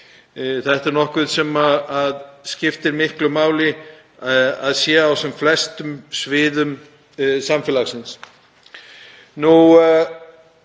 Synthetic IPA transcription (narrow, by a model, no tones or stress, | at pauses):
θɛht̪aɾnɔhkvɪðsɛmaaðscɪft̪ɪɾmɪhklʏmaːwlɪ | a̰ðsjɛawsɛmflɛst̪ʏmsvɪːðʏm | samfɪlaxsɪns | nu